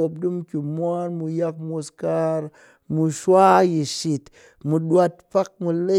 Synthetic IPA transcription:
o˨p̚du˦mkʲu˨mwʷa˦nmu˧ja˧k̚mo˧ska˦ɾ | mu˧ʃwa˦ji˨ʃi˨t | mu˧ɗwa˧t̚pa˦k̚mu˧le˦

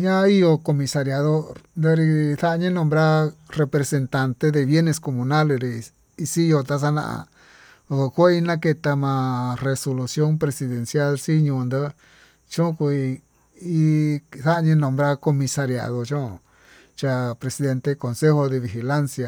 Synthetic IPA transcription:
ɲã˦i˦jo˧ko˧mĩ˧sa˧ɾja˨ðo˦ɾnd̪ə˦ɾi˧θa˦˧ɲĩ˦nõ˧mbɾa˦re˧pɾe˨se˧nt̪a˧nt̪e˦ðe˧βje˦ne˧sko˧˨mũ˧na˦le˧ɾi˧ | i˧si˦jo˧t̪a˧s̬a˦nã̰˧ʔã̰˧˨ | o˧ko˧ku˦a˦i˦nã˦ke˧t̪a˧mã˧re˧so˧lu˧sjo˦npɾe˧si˧ðe˨nsja˦lsi˦ɲũ˧nd̪ə˦ | t͡ʃõ˦ku˧i˧ | i˦θa˦˧ɲĩ˦nõ˧mbɾa˦ko˧mĩ˧sa˧ɾja̰˨ðo˧t͡ʃõ˦˧ | t͡ʃa˧pɾe˨si˧ðe˧nt̪e˧ko˨nse˦ho˧ðe˧βi˨xi˧˨la˦nsja˧

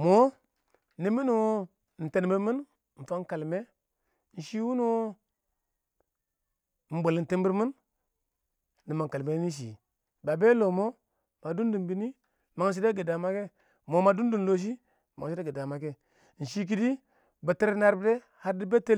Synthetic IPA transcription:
mo˦ | ni˦mi˦n˨wo˦ | n̩˨te˨nbi˦ɾmi˦n | ɱ̩˨fa˦ŋ˦ka˨lme˦ | n̩˨ʃi˦wu˦n˦wo˦˨ | n̩˨bo˨ln̩˨te˦mbi˦ɾmi˦n | i˨ma˨ŋ˨ka˨lme˨˦ni˦ʃ̬i˨ | ba˨be˦lo˨mo˦ | ma˨du˦ndu˨mbi˦ni˦ | ma˨ŋ˦ʃ̬i˦de˦ɡe˨da˨ma˦ke˦ | mo˨˦ma˨du˦ndu˨n˨lo˦ʃ̬i˦ | ma˨ŋ˨ʃi˦de˦ɡe˨da˨ma˨ke˦ | n̩˨ʃi˦k̬i˦di˦ | ba˨te˦ɾna˦ɾbde˦ | ha˦ɾdi˦be˦te˦

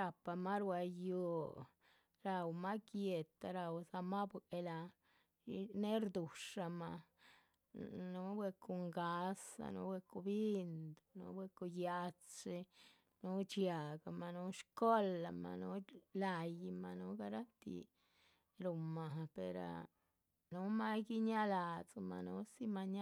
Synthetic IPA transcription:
ɾa˨pa˧ma˦ɾwa˧jo˨ | ɾa˨wma˦kje˨t̪a˨ɾa˨wsa˧ma˦bʷe˧la˧ | ne˦ɾd̪u˨ʂa˧ma˧ | nu˨˦bwe˧ku˧ŋɡa˧˦sa̰˧nṵ˧˦wʷe˧ku˧bi˦nd̪nṵ˧˦bwe˧ku˧ja˧t͡si˧ | nu˦t͡ʃja˨ɡa˨ma˨nu˧˦ʃko˦la˧ma̰˨nu˦la˧jma˨nu˧˦ɡa˧ɾa˦t̪ḭ˧˨ | ɾu˨ma˨pḛ˨ɾa̰˨ | nu˦ma˦ɡi˦ɲa˦la˨t͡sma̰˨nu˦si˦ma˧ɲa˦

